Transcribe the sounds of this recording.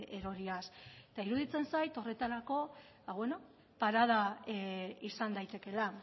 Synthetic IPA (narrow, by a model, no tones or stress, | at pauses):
eɾo̞ɾiaset̪aiɾuðit͡se̞nsajt̪o̞re̞t̪aɾako̞ | βaβwe̞no̞ | paɾað̞a | isand̪ajt̪e̞ke̞la